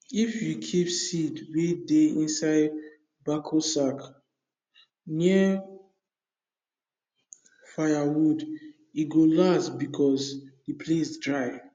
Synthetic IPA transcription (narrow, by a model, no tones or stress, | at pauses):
ifjukʰipsidwedeĩnsaɪd | bakʰosak | niə | fajawud | iɡolasbikʰɔsdipʰlesdɹaɪ